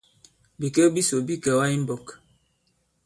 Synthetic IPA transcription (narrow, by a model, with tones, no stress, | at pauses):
bi˨kə˦bi˦so˨bi˦kə˨wa˦i˦m̩˦bɔ˨k